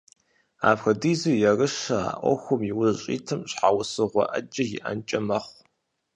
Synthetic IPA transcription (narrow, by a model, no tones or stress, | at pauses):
a̰ːpxɐdiːzujɛrɨʃɐa̰ːʔʷɔ̰xʷʊmjiwʊzɕʼḭːtʰɨmɕħawsɨʁʷɔ̰ʔɐ̰d͡ʒɐjɪ̰ʔɐ̰nt͡ʃʼɐmɐχʷ